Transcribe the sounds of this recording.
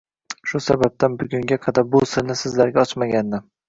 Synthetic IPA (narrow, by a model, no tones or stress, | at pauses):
ʃʊsabab̚t̪ʰanbʊɡʲʊŋɡʲaqʰɑd̪aɾbʊsɪɾnɪsɪzlaɾɡʲaɒt͡ʃmaɡʲanːɪ